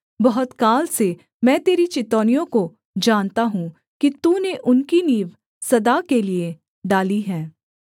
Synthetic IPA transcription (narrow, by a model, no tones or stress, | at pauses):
bɐɦʊt̪kaːlse | mɛ̃ːt̪eːɾit͡ʃɪt̪ɔːnijõko | d͡ʒaːnt̪aɦũ | kit̪ũːneʔʊnkiniːʋ | sɐd̪akelie | ɖaːliɦɛ̃ː